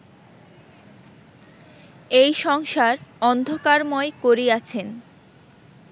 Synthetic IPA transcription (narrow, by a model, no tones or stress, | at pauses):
ejʃɔŋʃaɾɔnd̪ʱokaɾmɔekoɾiat͡ɕʰen